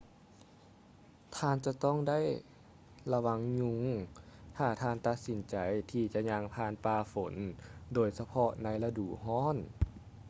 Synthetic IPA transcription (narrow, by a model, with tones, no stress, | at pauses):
t̪ʰaː˧˨nt͡ɕa˧˦t̪ɔː˥˨ŋda˥˨j | la˧wa˧˥ŋɲu˧ŋt̪ʰaː˧˩t̪ʰaː˧˥˨nt̪a˧t̪̚si˨˩˦nt͡ɕa˨˩jt̪ʰiː˧t͡ɕa˧˦ʔɲa˧ŋpʰaː˧˩˨npaː˧fo˩˦ndoː˧˩jsa˧pʰɔ˧na˧˥jla˧duː˨˩ɦɔː˥˨n